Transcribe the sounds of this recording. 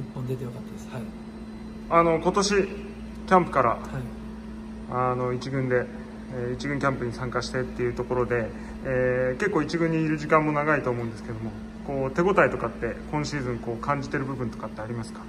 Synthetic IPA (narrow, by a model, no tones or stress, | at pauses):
ipːõnd̪et̪ejokat̪ːad̪es | ano̞ko̞t̪o̞ɕi | kʲãmpɯ̟̥kaɾahi | ano̞it͡ɕiɡɯ̟̃nd̪e̞ | it͡ɕiɡɯ̟̃ŋkʲãmpɯ̟ɲ̟isãŋkaɕi̥t̪e̞t̪ːe̞jɯ̟t̪o̞ko̞ɾo̞d̪e̞ː | ke̞kːoːit͡ɕiɡɯ̟̃ɲ̟ːiːɾɯ̟ʑikãmːo̞naɡait̪o̞ːmoɯ̃nd̪esɨ̥ke̞d̪o̞mo̞ | ko̞ːt̪e̞ɡo̞t̪ait̪o̞kat̪ːe̞kõɰ̃ɕiːzɨ̃ŋko̞ːkãɲ̟d͡ʑit̪e̞ɾɯ̟bɯ̟bɯ̟̃nt̪o̞̥kat̪ːe̞aɾʲimasɨ̥kḁ